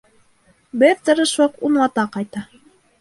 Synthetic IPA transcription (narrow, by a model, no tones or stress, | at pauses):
bɘɾt̪ɤ̆ɾɤʃwɤqunlˠɑt̪ɑqɑjt̪ɑ